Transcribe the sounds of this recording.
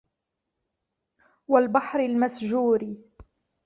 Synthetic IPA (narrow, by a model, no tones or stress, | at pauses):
walbɑħɾɪlmasd͡ʒuːɾi